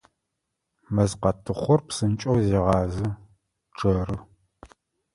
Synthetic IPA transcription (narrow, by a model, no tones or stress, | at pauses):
mɐzqɐtʰɨχʷɔrpsɨnt͡ʃʼɐwzeːʁɑːzɨ | ʈ͡ʂʰʼɐrɨ